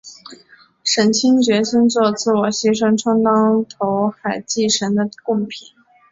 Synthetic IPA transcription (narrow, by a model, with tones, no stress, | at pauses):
ʂə˧˥nt͡ɕʰi˥ŋt͡ɕɥɛ˧˥ɕi˥nt͡swɔ˥˧t͡sɹ̩˥˩wɔ˨˩ɕɛ˥ʂɤ˥ŋʈ͡ʂʰɑ˥ŋt̪ɑ˥ŋt̪ʰo˧˥ʊxa˨˩ɪt͡ɕi˥˩ʂə˧˥nd̪ə˧kʊ˥˩ŋpʰi˨˩˦n